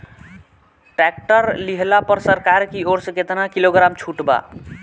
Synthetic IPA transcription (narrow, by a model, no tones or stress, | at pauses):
ʈɾɛk̚ʈəɾliɦlapəɾsəɾkaɾkioɽsəket̪nakiloɡɾamt͡ʃʰuʈba̰